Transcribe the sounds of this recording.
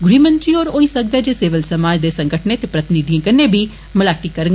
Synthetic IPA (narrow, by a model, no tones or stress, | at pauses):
ɡʊɾiːmə̃nt̪ɾiːɔːɾoːiːsək̚d̪ɛːd͡ʒeːseːʋəlsəmaːd͡ʒd̪eːsə̃ŋɡəʈʰneːt̪epɾət̪ɪnid̪ijãːkɪnːeːbʱiː | məlaːʈiːkəɾəŋ